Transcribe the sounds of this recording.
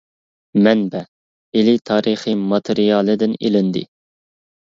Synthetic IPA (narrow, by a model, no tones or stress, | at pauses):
mɛnbɛ | elɪt̪ʰɑːɾɨχimɑt̪ʰɪɾijɑːlˠɨd̪ɪnḛlɪnd̪ɪ̰